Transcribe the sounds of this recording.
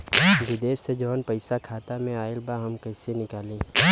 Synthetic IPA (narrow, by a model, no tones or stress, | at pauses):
bɪd̪eːʃsed͡ʒɔːnpɐɪsakʰaːt̪amẽaːɪlbaɦɐmkɐɪsenɪkaːlẽː